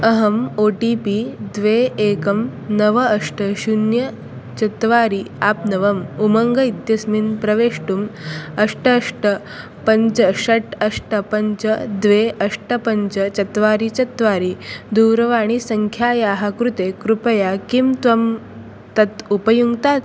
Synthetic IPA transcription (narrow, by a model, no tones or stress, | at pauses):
ɐɦɐmoːʈiːpid̪ʋeeːkɐmnɐʋɐːʂʈɐɕunjɐ | t͡ʃɐt̪ʋaːɾiaːpnɐʋɐmumɐŋɡɐid̪jɐsminpɾɐʋeːʂʈumɐʂʈɐːʂʈɐ | pɐɲt͡ʃɐʃɐʈɐʂʈɐpɐɲt͡ʃɐd̪ʋeʔɐʂʈɐpɐɲt͡ʃɐt͡ʃɐt̪ʋaːɾit͡ʃɐt̪ʋaːɾid̪uːɾɐʋaːɽ̃isɐŋkʰjaːjaːɦakɾut̪ekɾupɐjakimt̪ʋɐm | t̪ɐt̪upɐjuŋɡt̪aːt̪